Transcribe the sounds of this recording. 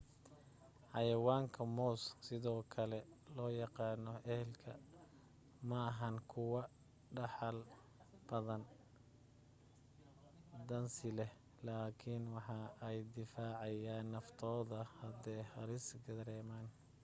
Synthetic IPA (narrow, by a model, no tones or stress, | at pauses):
ħɑjɐwaːŋkʰɐmɔssɪðɔːkʰɐlɛlɔːjɑqɑːnɔɛhɛlkʰɐ | mɐːɦɐnkʰʊwɐ | ɖɑħɑl | b̥ɐðɐn | d̪ɐnsɪlɛh | laːkʰɪnwɑħɑɛjd̪ɪfaːʕɑjaːnːɐft̪ʰɔːðɐhɐd̪ɛːhɑɾɪsɡɐðɾɛːmaːn